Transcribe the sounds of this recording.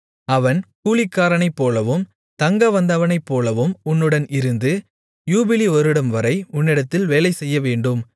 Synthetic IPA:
ɐʋɐnkuːɭɪkːaːɾɐnɐɪpːoːlɐʋɯm | t̪ɐŋɡɐʋɐnd̪ɐʋɐnɐɪpːoːlɐʋɯmʊnːɯɽɐnɪɾɯnd̪ɯ | juːbɪliɔɾɯɽɐmʋɐɾɐɪʊnːɪɽɐt̪ːɪlʋeːlɐɪsɛjːɐʋeːɳɖɯm

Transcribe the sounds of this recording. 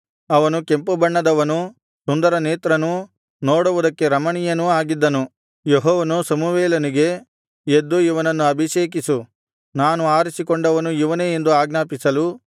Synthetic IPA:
ɐʋɐnuke̞mpubɐɳːɐd̪ɐʋɐnu | sund̪ɐɾɐneːt̪ɾɐnu | noːɽuʋud̪ɐkːe̞ɾɐmɐɳijɐnuaːɡid̪ːɐnu | jeɦɔːʋɐnusɐmuʋeːlɐniɡe̞ | ed̪ːuiʋɐnɐnːuɐbʱiʃeːk̬isu | naːnuaːɾisikoɳɖɐʋɐnujiʋɐneend̪uaːɡnaːpisɐlu

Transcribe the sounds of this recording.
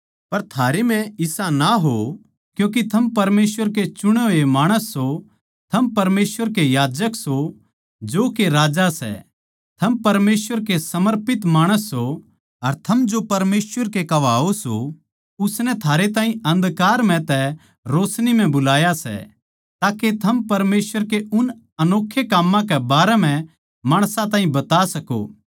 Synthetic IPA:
pɐɾt̪ʰaːɾemɛ̃ɪsanaɦo | kjõːk̬it̪ʰɐmpɐɾmeːsʋəɾket͡ʃʊɽ̃oemaːɽ̃əsːo | t̪ʰɐmpɐɾmeːsʋəɾkejaːd͡ʒəkso | d͡ʒoːkeɾaːd͡ʒasɛ̰ | t̪ʰɐmpɐɾmeːsʋəɾkesɐməɾpɪt̪maːɽ̃əsːo | ɐɾt̪ʰɐmd͡ʒopɐɾmeːsʋəɾkekɐʋaːoso̰ | ʊsnɛt̪ʰaːɾet̪̬aːɦĩɐ̃nd̪kaːɾm̤ɛ̃t̪ɛ | ɾoːsnim̤ɛ̃bʊlaːjasɛ̰ | t̪aːket̪ʰɐmpɐɾmeːswəɾkeʊn | ɐnoːkʰːjekaːmːãk̬ɛbaːɾɛm̤ɛ̃ | maːɽ̃sãt̪aːɦĩbɐt̪asɐko̰ː

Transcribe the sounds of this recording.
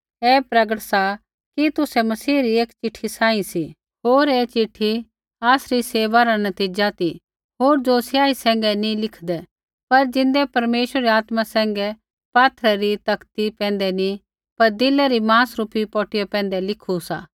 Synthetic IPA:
ɛːpɾɐɡəʈsa | kit̪ʊsɛmɐsiːɾieːkt͡ʃɪʈʰːisãːĩsi | ɦoːɾeːt͡ʃɪʈʰːi | aːsɾiseːʋaɾanɐt̪iːd͡ʒat̪i | ɦoːɾd͡ʒosjaːisɛ̃ːŋɡɛnĩlɪkʰd̪ɛ | pɐɾd͡ʒɪ̃nd̪ɛpɐɾmeːʃəɾɾɛaːt̪masɛ̃ːŋɡɛ | paːt̪ʰɾɛɾit̪ɐkt̪ipɛ̃ːn̆d̪ɛni | pɐɾd̪ɪlɛɾimãːsɾuːpipɔːʈɪjɛpɛ̃ːn̆d̪ɛlɪkʰusa̰ː

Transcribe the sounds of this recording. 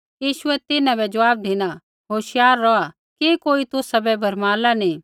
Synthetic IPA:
jiːʃʊɛt̪ɪnãbɛd͡ʒɐaːb̚d̪ʱɪna | ɦoːʃɪjaːɾːɔa | kikoːit̪ʊsabɛbʱɐɾmaːlanĩ

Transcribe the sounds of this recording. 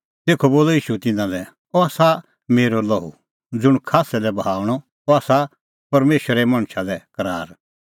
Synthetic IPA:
t̪eːkʰoboːlɔiːʃut̪ɪnãlɛ | ɔaːsa | meːɾolɔɦṵ | d͡zʊɽ̃kʰaːsɛlɛbɦaːɽ̃ɔ | ɔaːsa | pɐɾmeːʃəɾɛmɐ̃ɽ̃ʃʰalɛkɐɾaːɾ

